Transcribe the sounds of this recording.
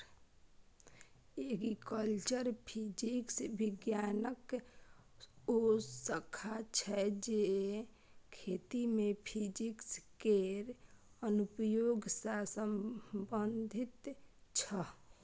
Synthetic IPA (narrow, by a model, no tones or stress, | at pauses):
eɡikəlt͡ʃəɾpʰid͡ʒiksbɪɡjaːnək | osəkʰat͡ʃʰɛd͡ʒe | kʰet̪imẽpʰid͡ʒikskeɾ | ənupəjoːɡsasəmbənd̪ʱɪt̪t͡ʃʰə